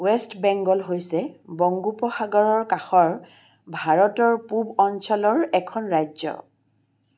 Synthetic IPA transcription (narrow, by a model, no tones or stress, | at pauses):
wɛstbɛŋɡɔlɦojsɛbɔŋɡupɔxaɡɔɹɔɹkaxɔɹ | bʱaɹɔtɔɹpubɔnsɔlɔɹɛkʰɔnɹajzɔ̰